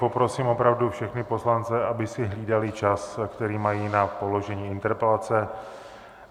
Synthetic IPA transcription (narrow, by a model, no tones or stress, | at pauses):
popɾo̞siːmo̞pɾavdufʃɛxnɪpo̞slant͡sɛʔabɪsɪɦliːdalɪt͡ʃaskt̪ɛɾiːmajiːnapo̞lo̞ʒɛɲiːɪnt̪ɛɾpɛlat͡sɛ